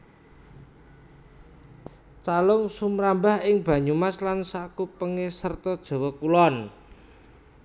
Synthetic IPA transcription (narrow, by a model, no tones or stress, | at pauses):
t͡ʃalʊŋsumɾambaɦɪŋb̥ä̤ɲumaslansakupəŋesərt̪ɔd̥ʒ̥ɔ̤wɔkulɔn